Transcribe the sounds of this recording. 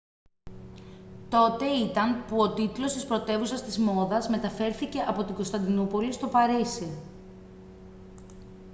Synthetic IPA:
t̪o̞t̪e̞it̪ɐnpuo̞t̪it̪lo̞st̪ispɾo̞t̪e̞vusɐst̪izmo̞ðɐzme̞t̪ɐfe̞ɾθice̞ʔɐpo̞t̪iɡo̞st̪ɐnd̪inupo̞list̪o̞pɐɾisi

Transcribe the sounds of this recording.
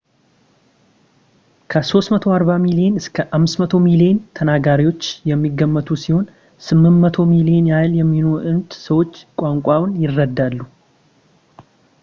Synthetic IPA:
kʰəso̞st̪mət̪ʰo̞aɾβamilie̞nɨskʰəʔamːɨsmət̪ʰo̞milient̪ʰənaɡaɾiwo̞t͡ʃːjɛmːiɡːəmːət̪ʰusiho̞n | sɨmːɨnmət̪ʰo̞milienajljɛmːinoʔɨnt̪səwo̞t͡ʃːkʼaŋkʷʼawʊnjɪrːəd̪ːalːu

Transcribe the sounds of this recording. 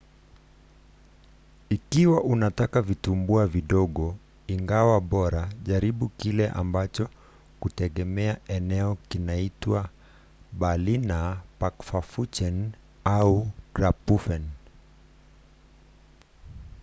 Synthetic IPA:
ikiwaʔunatakavitumbuaviɗɔɠɔ | iŋɡawaɓɔɾaʄaɾiɓukilɛʔa̰mbat͡ʃɔ | kutɛɠɛmɛaʔɛnɛɔkinaitwa | ɓalinapakfafut͡ʃɛn | aukɾapufɛn

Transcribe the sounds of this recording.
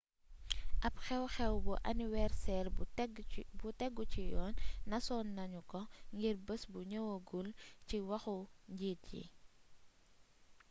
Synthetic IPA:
ʔɐpxɛwxɛwbuʔɐniwɛrsɛrɡbutɛɡːucijɔːnːɐsɔːnːɐɲukɔŋɡirbəsbuɲəwoɡulciwɐxuɲɟiːt̚jḭ

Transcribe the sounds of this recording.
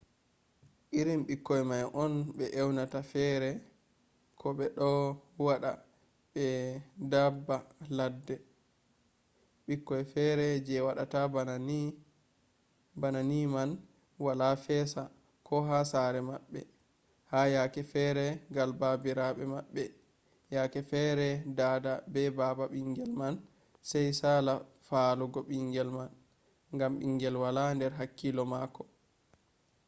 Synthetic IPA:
ʔiɾimɓikːɔjmajʔɔnɓɛʔɛwnatafɛɾɛ | kʰɔɓɛɗɔwaɗa̰ | ɓɛdabːaladːɛ | ɓikːɔjfɛɾɛd͡ʒɛwaɗatab | bananiman | walafɛːsa | kɔɦasaɾɛmaɓːɛ̰ | hajakɛfɛɾɛɡalbabiɾaɓɛmaɓːɛ | jakɛfɛɾɛdaːdabɛbaːbaɓiŋɡɛlman | sɛjsaːlafaluɡɔɓiŋɡɛlman | ŋɡamɓiŋɡɛlwalandɛɾɦakːilɔmaːkːɔ

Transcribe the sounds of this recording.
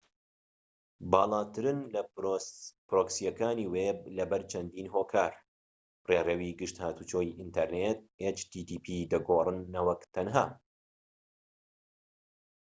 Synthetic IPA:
bɑːlˠɑːt̪ʰɨɾɨnlɐ | pɾoːksijɐkaːniːweb̚lɐbɐɾt͡ʃʰɐnd̪iːnɦoːkʰaːɾ | reːrɛwiːɡɨʃt̪haːt̪ut͡ʃoːjiʔint̪ʰɐɾnet̪̚et͡ʃt̪it̪iːpʰid̪ɐɡoːrɨnːɐwɐkt̪ʰɐnɦaː

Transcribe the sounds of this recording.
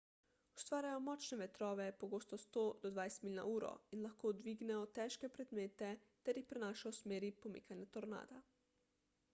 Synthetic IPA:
u̥st̪ʋaːɾʲjajɔmɔːt͡ʃnɛʋɛt̪ɾɔːʋɛpoɡoːst̪ɔst̪oːd̪ɔd̪ʋajst̪miliːna̰uːɾɔ̰inlaxkoːd̪ʋiːɡnɛɔt̪ɛːʃkɛpɾɛd̪meːt̪ɛt̪ɛɾjixpɾɛnaːʃaɔsmeːɾipomḭːkʰanjɛt̪ɔɾna̰ːd̪a

